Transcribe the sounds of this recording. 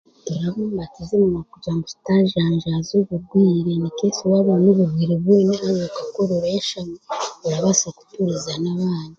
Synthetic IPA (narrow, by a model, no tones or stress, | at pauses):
eɾaβoːmbatazimunakuɟaŋɡusi̥taʒaːɲʒazuβuɾɡwiːɾenikeːsiβaβanuβuɾɡwiːɾeβweːniaɾokḁkoɾoɾaeʃameβuɾaβasaku̥tuɾizanaβaːndi